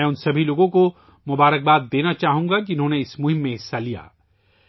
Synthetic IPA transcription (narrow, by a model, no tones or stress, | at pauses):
ʊnsɐbʱiloːɡõko | mʊbaːɾək̚baːt̪̚d̪eːnat͡ʃaːɦũŋɡakiʊnɦõːneɪsmʊɦɪ̃mːẽɦɪsːalija̰ː